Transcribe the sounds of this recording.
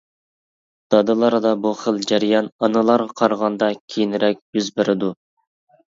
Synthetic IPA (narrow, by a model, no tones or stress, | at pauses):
d̪̥ɑd̪ɨlˠɑɾd̪ɑbuχəlˠd͡ʒæɾijɑnɑnɨlˠɑɾʁɑqʰɑɾʁɑnd̪ɑkʲʰejinɾɛkʲjyzbɪɾɪd̪u